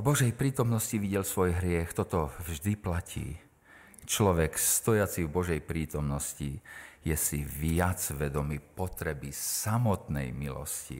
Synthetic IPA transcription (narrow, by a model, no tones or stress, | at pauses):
vbɔʒɛjpɾiːt̪ɔmnɔsciʋiɟɛlsʋɔjɦɾɪɛxt̪ɔt̪ɔvʒd̪iplacʰḭː | t͡ʃlɔʋɛkst̪ɔjat͡sivbɔʒɛjpɾiːt̪ɔmnɔscijɛsiʋɪjad͡zʋɛd̪ɔmipɔt̪ɾɛbisamɔt̪nɛ̰jmilɔ̰scḭ